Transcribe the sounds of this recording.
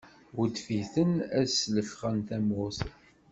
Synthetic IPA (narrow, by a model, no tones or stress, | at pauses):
wəd̪fiθənæsləfχənθæmʊθ